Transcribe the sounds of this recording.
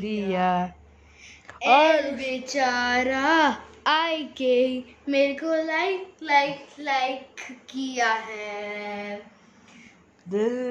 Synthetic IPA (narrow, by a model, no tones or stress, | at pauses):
ɾija | ɔːlʋɪt͡ʃaːɾaaːjkemeːɾekolaɪklaɪklaɪkːijaɦɛ | d̪ɪ